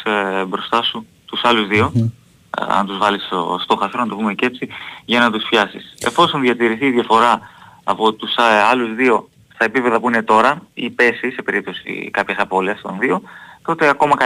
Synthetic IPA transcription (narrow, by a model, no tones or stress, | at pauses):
bɾo̞st̪ɐsu | t̪usɐluzðio̞ | ɐ̰nt̪uzvɐliso̰st̪o̞xɐst̪ɾonɐt̪ovume̞ce̞t͡siʝɐnɐt̪usfçɐsḭse̞̰fo̞so̞nðʝɐt̪iɾiθiːðʝɐfo̞ɾɐːpo̞t̪usɐluzðio̞ | st̪ɐe̞pipe̞ðɐpuinet̪o̞ɾɐipe̞sise̞pe̞ɾip̚t̪o̞sḭkɐpçɐsɐpo̞liɐst̪o̞̰nðio̞t̪o̞t̪e̞ɐko̞mɐkɐ